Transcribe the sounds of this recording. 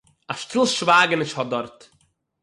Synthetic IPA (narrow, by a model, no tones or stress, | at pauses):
aʃtʰɪlˠʃvaːɡənɪʃhɔdɔɾt